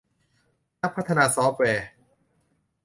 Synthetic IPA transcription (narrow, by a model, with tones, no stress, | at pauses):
na˦˥pʰːa˦˥t̪ʰːa˧naː˧sɔː˦˥fwɛː˧